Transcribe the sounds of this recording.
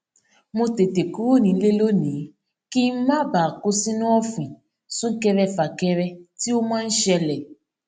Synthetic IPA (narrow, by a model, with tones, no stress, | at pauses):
mõ˧te˨te˨ku˦o˦nĩ˨˦le˦lo˦nĩ˨˦ | ki˦m̩˦mã˦ba˨ko˦si˦nũ˦ɔ˦fĩ˨ | sũ˦kɛ˦βɛ˦fa˨kɛ˦ɾɛ˦ti˦o˦m˦ã˦n̩˦ʃɛ˧lɛ˨